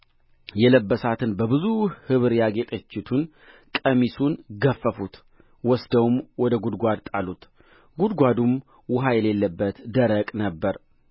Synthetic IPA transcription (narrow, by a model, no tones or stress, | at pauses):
jɛləbːəsat̪ʰɨnbəβɨzuhhɨβɨɾjaɡe̞t̪ʼət͡ʃːɪt̪ʰun | kʼəmisunɡəfːəfut̪ | wɔsd̪əwumwɔd̪əɡud̪ɡʷad̪t̪ʼalut̪ | ɡud̪ɡʷad̪um | wʊɦajɛle̞lːəbːət̪d̪əɾəkʼnəbːəɾ